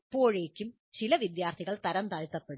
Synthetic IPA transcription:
pːo̞ːɻe̞ːkʲːum | t͡ɕilɐʋid̪jaːrt̪ʰiɣɐɭt̪ɐɾɐnd̪ɐɻt̪ːɐpːe̞ɽ

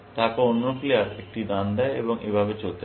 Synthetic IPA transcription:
t̪aːkoonːokliaɾek̚ʈid̪ãnd̪aḛbɔŋʔḛːbʱabet͡ɕolt̪e

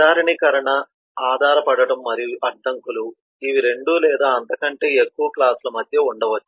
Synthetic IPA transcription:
aːɾɐɳikɐɾɐɳɐ | aːd̪ʱaːɾɐpɐɽɐɽɐmːɐɾijuʔɐɖ̪ːɐŋkulu | iʋiɾe̞ɳɖulɛːd̪aːɐnt̪ɐkɐɳʈe̞ːekːuʋɐklaːsulɐmɐd̪ʱjɐuɳɖɐʋɐt͡ʃːu

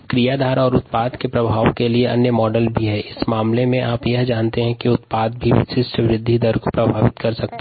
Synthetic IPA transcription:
kɾijaːd̪ʱaːɾɔːɾʊt̪̚paːd̪kepɾɐbʱaːwkelieɐ̰njəmɔːɖəlbʱiɦɛːɪsmaːmlemẽʔaːpjɐɦd͡ʒaːnt̪eɦɛ̃kiʊt̪paːd̪̚bʱiʋɪ̰ʃɪsʈəʋɾɪd̪ʱːid̪əɾkopɾɐbʱaːʋɪt̪kɐɾsɐk̚t̪

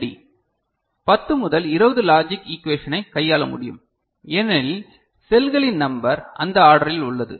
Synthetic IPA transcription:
ɽḭ | pɐt̪ːɯmʊðɐlɪɾɐʋɐðɯlaːd͡ʒɪkikʋeːʂɐnɐɪkɐjːaːɭɐmʊɽɪjɯ̰m | ɛnɪl | sɛlɣɐɭɪnnɐmbɐɾɐ̰nd̪ɐaːɽɐɾɪlʊɭːɐðɯ̰

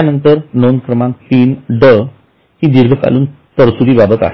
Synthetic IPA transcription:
anənt̪əɾnonkɾəmãŋk̚piːnɖə | ɦĩːd̪iɾɡʱəka̰luːn | t̪əɾsuɾiːbabət̪a̰ɦ

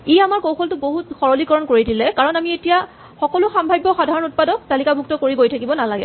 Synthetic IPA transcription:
iamaɹkowxʰɔltʊboɦutxɔɹɔlikɔɹɔnkoɹidilɛkaɹɔnamietija | xɔkɔlʊxambʱajbːɔxadʱaɹɔnut̚padɔk̚talikabʱuktɔkoɹiɡojtʰakibɔnalaɡɛ̰

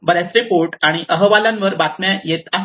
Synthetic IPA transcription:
bəɾasɾepoɾʈaɽ̃iʔəɦəʋalãnʋəɾbat̪ɳjajet̪a

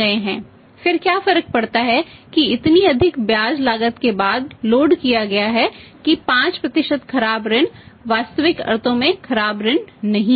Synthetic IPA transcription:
ɐeɦɛ̃ː | fɪɾkjaːfɐɾək̚pɐɽt̪aɦɛkiɪt̪niɐd̪ʱɪkbjaːd͡ʒlaːɡət̪kebaːd̪loːɖkijaɡɐjaɦɛkipãːt͡ʃpɾɐt̪ɪʃəd̪kʰɐɾaːbɾɪnʋaːst̪əʋɪkɐ̰ɾt̪ʰõmẽkʰɐɾaːbɾɪɳnɐɦĩ

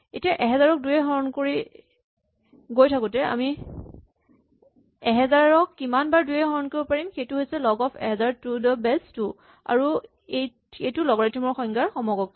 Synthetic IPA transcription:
etijaʔɛɦɛzaɹɔk̚dujɛɡɔɹɔnkoɹi | ɡojtʰakʊtɛa̰mi | ɛɦɛzaɹɔkːimanbaɹdujɛɡɔɹɔnkoibɔpaɹimxejtʊɦojsɛlɔɡɔpʰɛ̰ɦɛzaɹtudɔbɛstu | a̰ɹu | ej | ejtʊlɔɡɔɹajtʰimɔɹxɔŋɡaɹxɔmɔɡɔk̚

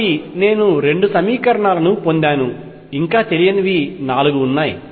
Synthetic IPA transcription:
ine̞ːnuɾe̞ɳɖusɐmiːkɐɾɐɳaːlɐnupo̞nd̪aːnu | iŋkaːt̪elijɐniʋinaːluɡuːnːaːji

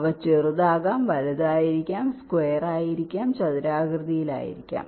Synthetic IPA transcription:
ʋɐt͡ɕːerɨðaːɣaːmʋɐlɐðaːjiɾikʲːaːmskwejɐraːjiɾikʲːaːmt͡ɕɐðiɾaːɡrðijila̰ːjḭɾikkʲːa̰ːm

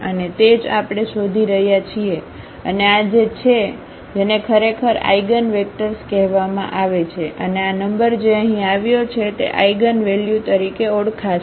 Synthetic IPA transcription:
ənet̪ed͡ʒapɽ̃eʃod̪ʱiɾəɦjat͡ʃʰie | ə̰nead͡ʒet͡ʃʰe | d͡ʒenekʰəɾekʰəɾa̰iɡənʋek̚ʈəɾskɛɦʋamã̰ʔaʋet͡ʃʰeʔəneanəmbəɾd͡ʒeəɦĩaʋjot͡ʃʰet̪ḛʔa̰iɡənʋeljut̪əɾikeoɽkʰa

